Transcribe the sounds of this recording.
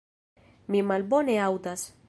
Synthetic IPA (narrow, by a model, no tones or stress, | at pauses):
mimalbo̞neawdas